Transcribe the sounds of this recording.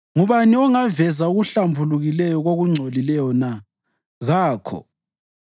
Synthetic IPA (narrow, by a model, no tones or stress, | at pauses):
ŋuβaniɔŋavɛzauɣuɬambʱuluɣilɛjɔɣoɣuŋ͡ǀʱolilɛjɔna | ɣaːkʰɔ̰